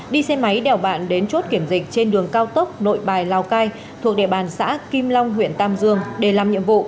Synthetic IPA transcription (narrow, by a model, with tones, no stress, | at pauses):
ɗi˧sɛ˧ma˨˦jɗɛ˨˩wɓa̰ː˧˨nɗe˨˦nt͡ɕo˦˥t̚ki˧˩əmzï˨˩k̚t͡ɕe˧nɗɨ˨˩əŋkaː˧wt̪ə˦˥k͡p̚no̰˧˨jɓaː˨˩jlaː˨˩wkaː˧j | t̪ʰu˨˩ək̚ɗḭ˧˨ɓaː˨˩nsa̰ː˧˥ki˧mla˧wŋ͡mɦwḭ˧˨ənt̪aː˧mzɨ˧əŋɗe˧˩laː˨˩mɲɨ̰˧˨əmvṵ˧˨